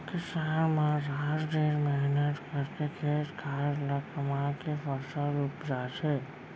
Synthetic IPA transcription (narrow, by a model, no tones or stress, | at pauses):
kisanmãɾaɾdeɾmɛɦnət̪kəɾkekʰeskʰaɾləkəmãkepəɾsəupd͡ʒat͡ʃʰɛ